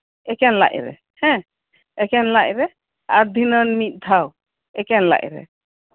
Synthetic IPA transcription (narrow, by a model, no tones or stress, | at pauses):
ɛkɛnla̰ʔɾɛ̰ | hɛ̃ | ɛkɛnlaʔɾɛ | aɾd̪ʱinɔnmit̪̚ˀd̪ʱaw | ɛkɛnla̰ʔɾɛ̰